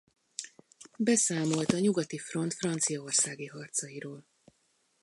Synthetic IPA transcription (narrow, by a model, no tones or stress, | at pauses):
bɛsaːmo̞lt̪ɒɲuɡɒt̪ifro̞nt̪frɒnt̪sijɒorsaːɡiɦɒrt̪sɒjiɾoːl